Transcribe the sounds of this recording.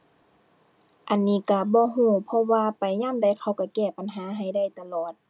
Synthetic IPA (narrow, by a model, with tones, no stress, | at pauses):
ʔa˨nːiː˧˩˨ka˧˩bɔː˧˦ɦũː˧˩pʰɔ˧waː˧pa˨jɲaː˧˥˨mda˧˩jkʰa˧˩wka˧˩kɛː˧˩pa˨nɦaː˨˦ɦa˨˩jda˧˥˩jt̪a˧lɔː˨˩t̪̚